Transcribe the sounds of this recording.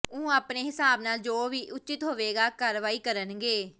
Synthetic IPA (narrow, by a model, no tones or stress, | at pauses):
ũːaːpneːɦɪsaːbnaːld͡ʒoːʋiːʔʊt͡ʃɪt̪ɦoːʋeːɡaːkaːɾʋaːiːkəɾənɡeː